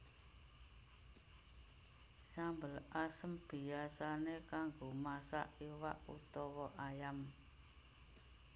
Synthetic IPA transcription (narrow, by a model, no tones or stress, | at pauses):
sambəlasəmb̥i̤asanekaŋɡomasa̰ʔiwa̰ʔṵt̪ɔwɔʔajam